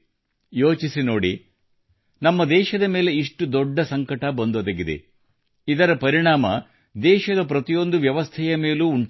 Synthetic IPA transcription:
joːt͡ʃisino̞ːɽi | nɐmːɐd̪ɛːʃɐd̪ɐme̞ːle̞iʂʈud̪ɔɖːɐsɐŋkɐʈɐbɐnd̪od̪ɐɡid̪e̞̰ | id̪ɐɾɐpɐɾiɳaːmɐ̰ | d̪ɛːʃɐd̪ɐpɾɐt̪ijo̞nd̪uʋjɐʋɐst̪ʰɛjɐme̞ːluːuɳʈ

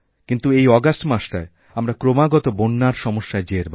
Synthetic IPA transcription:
kint̪uejɔɡasʈmaʃʈae | amɾakɾomaɡɔt̪obonːaɾʃɔmoʃːaed͡ʑeɾb

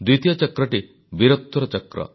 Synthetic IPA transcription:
d̪wit̪ijɔt͡ʃɔkɾɔʈi | biɾɔt̪ːɔɾɔt͡ʃɔkɾɔ̰

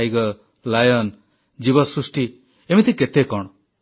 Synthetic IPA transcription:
jɡɔ | lajɔn | d͡ʒibɔsɾusʈi | emit̪ʰiket̪ekɔɽ̃ɔ

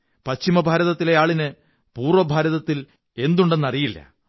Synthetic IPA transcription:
pɐt͡ɕimɐbʱaːɾɐðɐt̪ːile̞jaːɭinɨ | puːrʋɐbʱaːɾɐðɐt̪ːil | e̞nd̪uɳɖe̞nːɐrijilːɐ̰

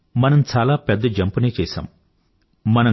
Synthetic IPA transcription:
mɐnɐmt͡ʃaːlaːpɛd̪ːɐd͡ʒɐmpuneːt͡ʃɛːsa̰ːmː | ɐnɐ

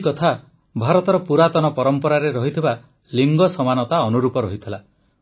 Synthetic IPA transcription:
kɔt̪ʰa | bʱaɾɔt̪ɔɾɔpuɾat̪ɔnɔpɔɾɔmpɔɾaɾeɾɔɦit̪ʰiba | liŋɡɔsɔmanɔt̪aɔnuɾupɔɾɔɦit̪ʰila

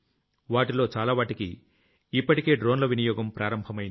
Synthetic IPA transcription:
ʋaːʈilo̞ːt͡ʃaːlaːʋaːʈikḭ | ipːɐʈike̞ːɖɾo̞ːnlɐʋinɐjɔːɡɐmpɾaːɾɐmbʱɐmɐjn

